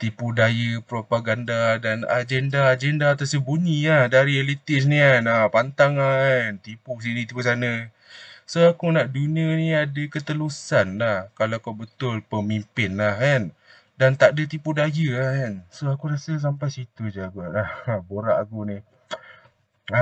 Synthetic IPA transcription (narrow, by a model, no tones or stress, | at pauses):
t̪ipudajəpɾopaɡandadana̰d͡ʒɛndaːd͡ʒɛndaːt̪asəbuɲilahdaɾialit̪ɪʔs̬nianapant̪aŋlahant̪ipus̬init̪ipus̬anə | soakunaʔduniəniadəkət̪əlusanlahkalaakobət̪ʊlpəmimpɪnlahkan | dant̪aʔdət̪ipudajəahansoakuɾasas̬ampajsit̪ud͡ʒaɡaʔlahboɾaʔakuni | a